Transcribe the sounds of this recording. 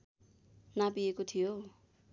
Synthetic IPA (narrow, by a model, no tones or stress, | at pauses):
napiekot̪ʰijo